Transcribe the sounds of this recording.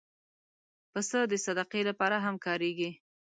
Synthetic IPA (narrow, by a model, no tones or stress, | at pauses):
pəsəd̪əsad̪aqelapɑɾaɦamkɑɾeɡi